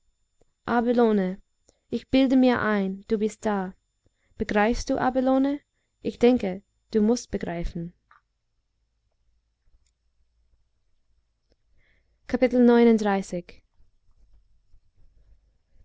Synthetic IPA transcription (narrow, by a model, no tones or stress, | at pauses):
ʔabiloːnə | ʔɪçb̥ɪldəmiːɐʔaɪnd̥uːbɪstd̥aː | b̥əɡʁaɪfstd̥uːʔa̰bəloːnə | ʔɪçd̥ɛŋkə | d̥uːmʊst̚b̥əɡʁaɪfn̩ | kʰapɪtl̩nɔʏnʊnd̥ʁaɪsɪç